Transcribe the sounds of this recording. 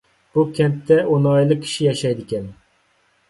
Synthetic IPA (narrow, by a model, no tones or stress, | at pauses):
b̥ukʲʰɛnt̪ʰːɛonɑjlˠɨkʲʰi̥ʃijɑʃɛjd̪ɪkʲɛn